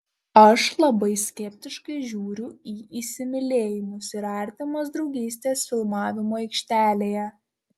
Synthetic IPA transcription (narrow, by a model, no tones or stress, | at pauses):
ɐʃlˠɐbɐɪsʲkʲɛpʲt̪ʲɪʃkɐɪʒʲuːɾʲʊiːʔiːsʲɪmʲɪlʲeːjɪmʊsɪɾɑˑɾʲt̪ʲɪmosd̪ɾɒʊɡʲiːsʲt̪ʲeːsfʲɪlˠmɑːʋʲɪmoːɛɪkʃʲt̪ʲæːlʲeːjɛ